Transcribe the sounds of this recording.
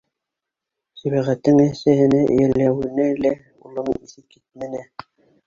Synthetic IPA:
sæβæʁæt̪ːɘŋæsæhɘ̆næʔɘ̰̆jæ̆læwɘ̆nælæ | ulˠɤɴisɘp̚kit̪̚mænæ

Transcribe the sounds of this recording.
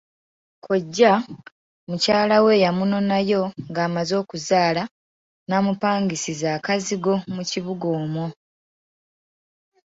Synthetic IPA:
kʰoɟːa | mucaːlawe̞ːjamuno̞najo̞ŋɡaːmazo̞ːkuzaːla | naːmupaːŋɡisizaːkaziɡo̞muciβuɡo̞ːmo

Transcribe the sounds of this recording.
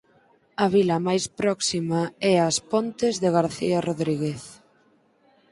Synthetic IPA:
ɐβilɐmajspɾɔksimaɛaspont̪ezðeɣaɾθḭaroðɾiɣeθ

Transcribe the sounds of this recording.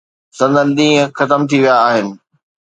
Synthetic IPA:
sɐ̃nd̪ənɗĩːɦə̃xɐt̪əmt̪ʰiʋijaːɦɪnɪ̆

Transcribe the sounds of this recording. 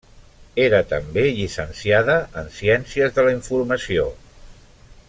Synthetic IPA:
eɾət̪əmbeʎisənsiað̞əːnsiɛnsiəzðələiɱfuɾməsio

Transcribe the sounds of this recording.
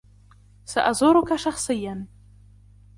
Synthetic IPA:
saʔazoɾukʰaʂaχsɨjːan

